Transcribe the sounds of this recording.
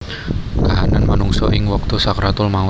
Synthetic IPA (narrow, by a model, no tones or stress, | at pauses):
kaɦananmanuŋsɔʔɪŋwɔk̚t̪usakɾat̪ʊlma